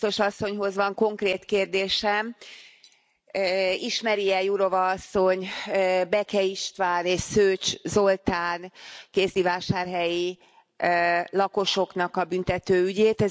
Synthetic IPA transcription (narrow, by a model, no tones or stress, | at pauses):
t̪o̞ʃɒsːo̞ɲɦo̞zʋɒŋko̞ŋkreːt̪keːrd̪eːʃɛm | iʃmɛɾiɛjuɾo̞vɒɒsːo̞ɲːbɛkɛiʃt̪ʋaːneːʃsøːt͡ʃzo̞lt̪aːnkeːzd̪ivaːʃaːrɦɛji | lɒko̞ʃo̞knɒkɒbynt̪ɛt̪øːyɟeːt̪ɛ